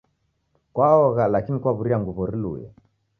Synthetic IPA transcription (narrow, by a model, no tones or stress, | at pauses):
kwaɔɣalakinikwaβuɾiaŋɡuβɔɾilṵjɔ̰